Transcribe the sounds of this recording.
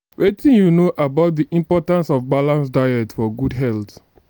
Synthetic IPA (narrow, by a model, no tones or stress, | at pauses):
wetʰĩnjunoʔabaʊt̚diʔĩmpɔtãnsɔvbalãnsdajɛtfɔɡudɦɛlt